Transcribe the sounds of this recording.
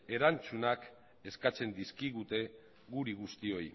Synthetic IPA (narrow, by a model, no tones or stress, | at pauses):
e̞ɾant͡sunak | e̞skat͡se̞nd̪iskiɣ̞ut̪e̞ | ɣuɾiɣ̞ust̪io̞j